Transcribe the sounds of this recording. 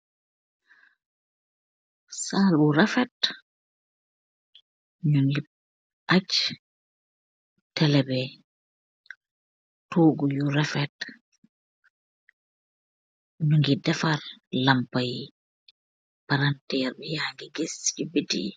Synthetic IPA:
saːluɾɛfɛt | ɲuŋɡi | ʔat͡ʃ | tɛlɛbɛ | tʰoːɡujuɾɛfɛt | ɲuŋɡidɛfarlampaj | paɾantɛːɾbɛjaŋɡiɡesd͡ʒubitḭ

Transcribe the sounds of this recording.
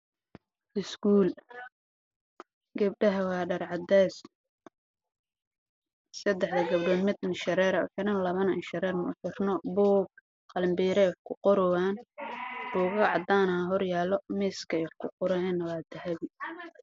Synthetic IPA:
ʔɪsɡuːl | ɡɐb̚ɖɐɦɐwɑːɖɐrʕɑd̪ɛs | sɐd̪ɛħd̪ɐɡɐbɖɔːd̪mɪd̪nʃɐɾɛːɾɐħɪɾɐnlɐβɐnɐnʃɐɾɛːrmʊ̰fɪrnɔbɔːb̚ | qɑlɐmbiːɾɛjħkʰʊqɔɾɔwaːn | ruːɣɐʕɑd̪aːnɐaɦɔrjaːlːɔmiːskʰɐjħkʰʊqɔɾɐɛnːɐwaːd̪ɐhɐβɪ

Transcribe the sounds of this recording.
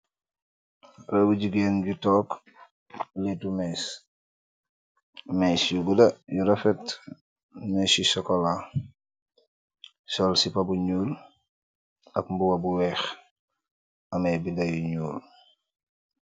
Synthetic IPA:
rɐbuɟuɡeːnɟutɔːk | letumɛs | mɛsjuɡudɐjuɾɐfɛt | mɛsisɔkɔla | sɔlsipɐbuɲuːl | ɐkmbuwɐbuwɛːx | ɐmɐjbindɐjuɲuːl

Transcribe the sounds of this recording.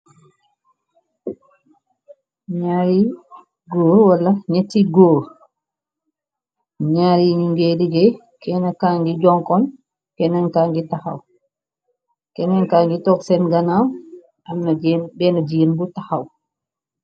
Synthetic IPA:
ɲaɾi | ɡoɾwalːaɲetːiɡoɾ | ɲaɾiɲiŋɡeliɡɛj | kɛnakaŋɡid͡ʒɔŋkɔn | kɛnankaŋɡitaha̰w | kɛnankaːŋɡitɔksɛnɡanaw | ʔamːabɛnad͡ʒiinbutahaw

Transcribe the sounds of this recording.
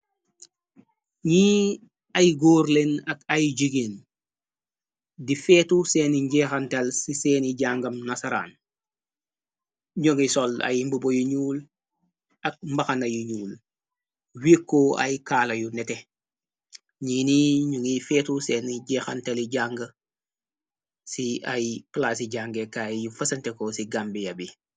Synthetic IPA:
ɲiː | ɐjɡoːɾlenɐkajɟiɡen | difeːtuseniɲɟeːxantalsiseːniɟaŋɡɐmnasaɾa̰ːn | ɲoŋisola̰jimbubojuɲuːl | ɐk̚mbɐxɐnɐjuɲuːl | wiːkːoɐ̰jkaːlɐjunɛte | ɲiːniɲuŋifeːtuseːniɟɛːxanteliɟaŋɡə | siajplaːs̬iɟaːŋɡekajufɐsɐntekosiɡambijɐbi

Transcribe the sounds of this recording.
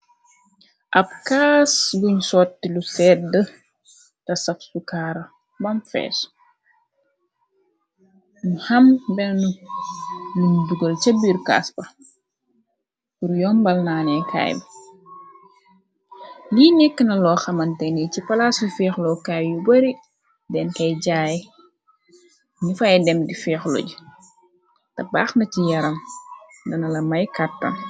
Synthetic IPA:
ʔɐb̚kaːsluɲsɔːtːilusɛt̚də | tɐsɐfsukaːɾɐ | bɐmfɛ̰ːs | nuhɐmbɛnnu | luɲduɡəlt͡ʃɐbirka̰ːsbɐ | puɾjɔːmbɐlnaːnɛkʰa̰ːjm | linikːənɐlɔːxɐmɐntɛnicipɐlasufɛːxlɔkajjubɐɾi | dɛnkɐjɟaːj | nifaɛdɛmdifɛːxlo̰ɟu | tɐba̰ːxnɐcijɐɾɐm | dɐnɐlɐmɐjkatːɐ̰m

